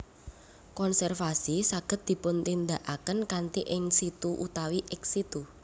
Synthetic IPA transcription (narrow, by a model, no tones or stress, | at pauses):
kɔnsɛrfasisaɡ̥ə̤t̪̚d̪̥i̤pʊnt̪ind̪aʔakənkant̪iʔɪŋsit̪uʔut̪awiʔɪksit̪u